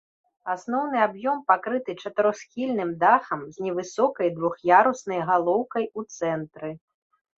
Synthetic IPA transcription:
asnɔwn̪ɨabjɔmpakɾɨt̪ɨt͡ʂɐt̪ɨɾɔsxʲilʲnɨmd̪axɐmzʲnʲɛvɨsɔkɐjd̪vuxjaɾusnɐjɣalˠɔwkɐjut̪sɛnt̪ɾɨ

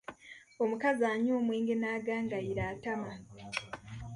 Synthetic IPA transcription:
o̞mukazaːɲoːmweːŋɡe̞naːɡaːŋɡaiɾaːtama

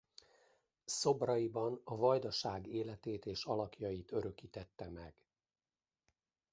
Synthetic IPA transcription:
so̞brɒibɒnɒvɒjd̪ɒʃaːɡeːlɛt̪eːt̪eːʃɒlɒkjɒjit̪ø̞ɾø̞kiːt̪ɛt̪ːɛmɛɡ̥

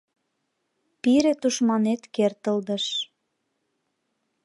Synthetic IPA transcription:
piɾet̪uʃmɑnet̪kert̪əld̪ə̆ʃ

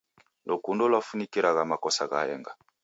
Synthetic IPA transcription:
lʔokundɔlwafunikiɾaɣamakɔsaɣa̰ɛ̰ŋɡa

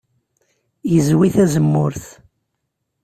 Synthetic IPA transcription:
jəzwiθæzəmːʊɾθ

